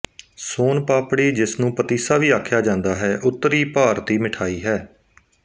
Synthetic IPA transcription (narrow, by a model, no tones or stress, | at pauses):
soːnpaːpɽiːd͡ʒɪsnũːpət̪iːsaːʋiːaːkʰjaːd͡ʒãːnd̪aːɦɛːʔʊt̪ːəɾiːpaːɾt̪iːmɪʈʰaːiːɦɛː